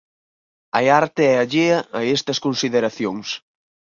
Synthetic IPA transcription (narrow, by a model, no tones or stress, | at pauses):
ɐaɾt̪eɛɐʎeɐɐest̪ɐskonsiðeɾaθjoŋs